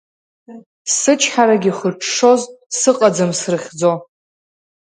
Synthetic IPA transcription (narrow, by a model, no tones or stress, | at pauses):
sɨt͡ʃʰħaɾaɡʲiχərʈ͡ʂʰʂo̞zsɨqʼad͡zɨmsrɨχʲd͡zo